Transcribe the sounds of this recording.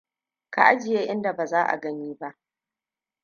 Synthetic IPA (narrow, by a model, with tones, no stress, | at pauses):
ka˨ʔa˦d͡ʒɪ˨jeː˦ʔɪ˦nda˨baː˨zaː˦ʔa̰˨ɡɐ˦ɲiː˦ba˦ʔ